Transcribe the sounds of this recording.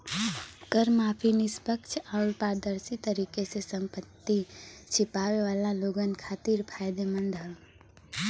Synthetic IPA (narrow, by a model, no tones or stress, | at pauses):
kəɾmaːpʰinɪspəkt͡ʃʰaːɾpaːɾd̪əɾsit̪əɾiːkesesə̃mpət̪ːit͡ʃʰɪpaːʋeʋaːlaloːɡənkʰaːt̪iɾpʰaːjd̪emə̃nd̪ʱɦə